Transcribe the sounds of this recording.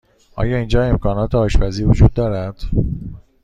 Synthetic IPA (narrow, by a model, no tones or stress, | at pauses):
ʔɒ̰ːjɒːiːnd͡ʒɒːe̞mkʰɒːnɒːt̪ʰeɒːʃbæziːvod͡ʒuːd̪̚ːɒːɾæd̪̥